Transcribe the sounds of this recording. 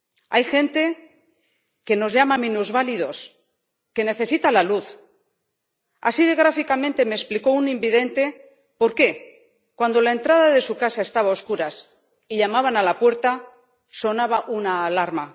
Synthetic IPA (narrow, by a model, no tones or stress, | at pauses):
ajxẽ̞nt̪e̞ | ke̞no̞zʎamamĩnuzβaliðo̞s | ke̞ne̞θe̞sit̪alaluθ | a̰siðeɣɾafikamẽnt̪e̞mespliko̞unĩmbiðe̞nt̪e̞ | po̞ɾke̞ | kwand̪o̞lae̞nt̪ɾað̞aðe̞sukasae̞st̪aβao̞skuɾas | iʎamaβanalapwe̞ɾt̪a | so̞naβaʔunaːlaɾma